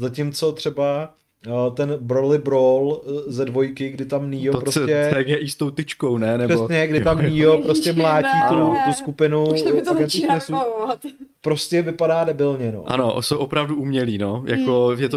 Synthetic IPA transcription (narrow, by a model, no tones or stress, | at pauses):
zacɪmt͡so̞t̪r̝̥ɛba | t̪ɛnbɾolɪbɾolzɛdvo̞jkɪɡdɪt̪amniːpɾocɛɛɡɛʔist̪owt̪ɪt͡ʃkownɛnɛrɛsɲɛɡdɪt̪amniopɾoscɛmlaːt͡ʃiːk̪lut̪uskupɪnuɡɛniɲɛsu | pɾo̞scɛvɪpadaːdɛbɪlɲɛno̞̰ʔa̰no̰sowʔopɾavduumɲɛliːnojakojɛt̪o